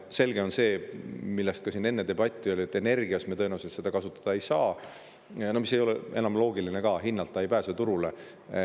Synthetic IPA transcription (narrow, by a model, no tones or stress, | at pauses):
se̞lɡe̞o̞nse̞ːmilːest̪̚kɑsine̞nːet̪e̞b̥ɑt̪ʲˑːiøliet̪ːˑe̞ne̞rɡiɑsmet̪ɤnɑset̪se̞d̪ɑkɑsut̪ːˑɑ̥d̪̥ɑe̞jsɑː | nomis̬e̞jo̞leʔe̞nɑmlo̞ːɡilinekɑɦinːɑlt̪ˑːɑejpæːset̪uɾule̞